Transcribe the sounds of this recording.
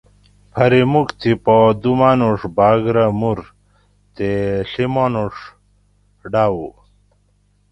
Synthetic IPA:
pʰɐɾimukt̪ʰipod̪umaːnuʂbaːɡɾamuɾ | t̪eɬimonuʂ | ɖaːwu

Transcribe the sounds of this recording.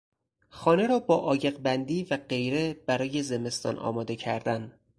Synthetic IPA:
xɒːne̞ɾɒːbɒːʔɒːje̞ɢbænd̪iːvæɢe̞jɾe̞b̥æɾɒːje̞zeme̞st̪ɒ̰ːnʔɒ̰ːmɒːd̪e̞cʰæɾd̪æn

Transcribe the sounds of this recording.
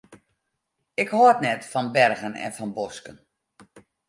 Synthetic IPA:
ɪkhotnɛtfɔnbɛrɣənɛ̰nfɔnboskən

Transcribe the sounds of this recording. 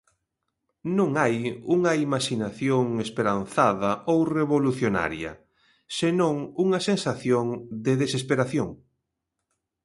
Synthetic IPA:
nõŋajuŋɐimaʃinaθjoŋespeɾanθaðɐʔowreβoluθjona̰ɾjɐ̰ | senõŋuŋɐsensaθjoŋd̪eðesespeɾaθjoŋ

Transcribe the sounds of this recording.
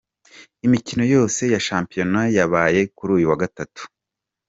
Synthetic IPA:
imicino̞jo̞ːse̞jaʃaːmpijo̞najaβaːje̞kuɾuːjuwaɡatatu̥

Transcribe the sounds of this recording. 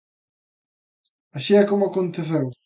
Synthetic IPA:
aʃiakomʊakont̪eθew

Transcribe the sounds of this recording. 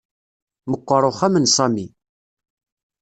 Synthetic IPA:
məqʷːəɾˤoχæmənsˤɑmi

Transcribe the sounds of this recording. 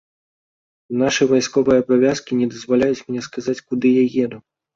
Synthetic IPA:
naʂɨvajskɔvɨjɛːbavʲaskʲinʲɛd̪ɐzvalʲajut͡sʲmʲnʲɛskazat͡sʲkud̪ɨjajɛd̪u

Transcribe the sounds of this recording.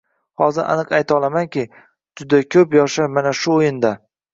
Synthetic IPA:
hɒzɪɾʔa̰nɨqajt̪ʰɒlˠamankʲɪ | d͡ʒʊd̪akʲʰɵpjɒʃamanaʃʊojɪnd̪a

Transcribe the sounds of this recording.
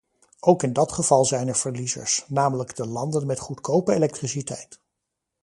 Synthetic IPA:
ʔowkɪndɑtχəv̥ɑlˠzɛjnɛɹv̥əɹlizə̰ɹsnaːmələɡdəlɑndənmɛtχutkowpəelɛk̚trisitɛjt

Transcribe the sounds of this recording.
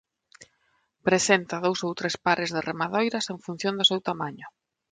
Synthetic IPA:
pɾesent̪ɐðowsowt̪ɾespaɾɪzðɪremaðojɾɐseŋɱfun̟θjõnd̪ʊsewt̪amaɲʊ

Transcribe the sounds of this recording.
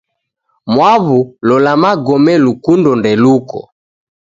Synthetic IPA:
mwaβulɔlamaɡɔmɛlukundɔndɛlukɔ̰

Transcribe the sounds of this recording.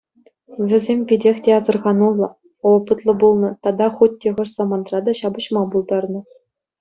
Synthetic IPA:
ʋʲɘ̆zʲemʲpʲidʲexʲtʲeɑzɤ̆rʁɑnulˠːɤ̆ | ŏlˠpɯt̪lˠɤ̆bulˠnɤ̆t̪ɑd̪ɑχut̚ʲtʲːeʁɤ̆ʂsɑmɑnd̪rɑd̪ɑɕɑbɤ̆ɕmɑbulˠd̪ɑrnɤ̆

